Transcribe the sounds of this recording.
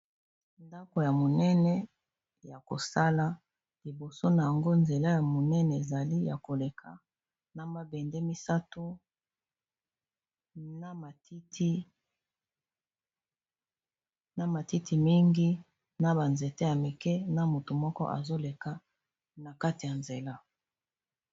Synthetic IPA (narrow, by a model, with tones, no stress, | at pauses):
nda˦ko˨ja˨mo˨nɛ˦nɛ˦ | ja˨ko̰˨sa˦la˦ | li˨bo˨so˦na˨ja˨ŋɡo˦nze˨la˦ja˨mo˨nɛ˦nɛ˨e˨za˨li˦ja̰˨ko˨le˨kʰa̰˨ | na˨ma˨bɛ˨nde˦mi˦sa˦to˦ | na˦ma˨ti˦ti˦ | na˦ma˨ti˦ti˨mi˦ŋɡi˦ | na˦ba˨nze˨te˦ja˨me˨kɛ˦na˨mo˨to˨mɔ˦kɔ˦ʔa̰˨zo˦le˨ka˨ | na˨ka˦ti˨ja˨nze˨la˦